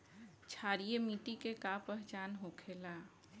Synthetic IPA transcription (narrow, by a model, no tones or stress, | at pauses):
t͡ʃʰaːɾijemiːʈikekapɛɦt͡ʃaːnɦoːkʰela